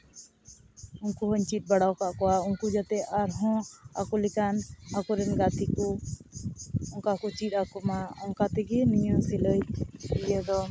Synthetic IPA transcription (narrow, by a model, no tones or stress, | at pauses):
unkuɦɔɲt͡ʃit̪̚baɽawkaʔkɔwauŋkud͡ʒat̪ɛaɾɦɔ̃a̰kulikanakuɾɛnɡat̪ikɔ | ɔŋkakut͡ʃit̪̚akumaɔŋkat̪ɛɡɛniɲɔ̃siləjijɛd̪ɔ